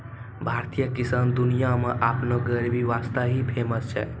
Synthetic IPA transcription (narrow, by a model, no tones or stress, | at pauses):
bʱaɾt̪ijəkisand̪unijameʔapnoɡəɾibʱiʋast̪aɦipʰeməst͡ʃʰɛ̰